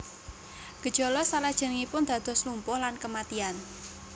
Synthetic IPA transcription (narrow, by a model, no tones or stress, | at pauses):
ɡ̥ə̤d̥ʒ̥ɔ̤lɔsalad̥ʒ̥ənəŋipʊnd̪̥ä̤d̪̥ɔ̤slumpʊhlankəmat̪ian